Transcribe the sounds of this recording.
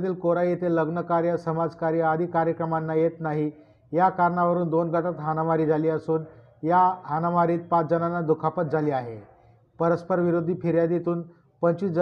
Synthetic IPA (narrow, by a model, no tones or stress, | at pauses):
t̪iːlkoɾajet̪eləɡnəkaɾjəsəmad͡zkaɾiːad̪ʱiːkaɾjəkɾəmanːajet̪naɦi | jakaɾɳaʋəɾuːnd̪onɡʱəʈat̪ɦanaʋaɾiːd͡zʱaliːəsuːn | jaɦanaʋaɾiːt̪̚pat͡sd͡zənanːad̪ukʰapət̪̚d͡zʱaliːaɦe | pəɾəspəɾʋiɾud̪ʱːiːpiɾjad̪it̪uːn | pəɲt͡ɕiːd͡z